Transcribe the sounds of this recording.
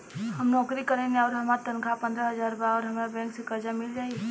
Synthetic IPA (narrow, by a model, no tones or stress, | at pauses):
ɦəmnɔːkɾikəɾɛ̃neɔːɾɦəmaɾt̪ənkʰapə̃nd̪ɾəɦəzaːɾbaɔːɾɦɐmabɛ̃ːŋksekəɾd͡ʒamɪld͡ʒaːiɛ